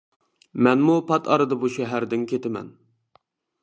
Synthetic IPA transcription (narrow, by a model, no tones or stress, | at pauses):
mɛnmupʰɑt̪ʰɑɾɨd̪ɑbuʃɛɦæɾd̪ɪnkʲʰet̪ɪmɛ̰n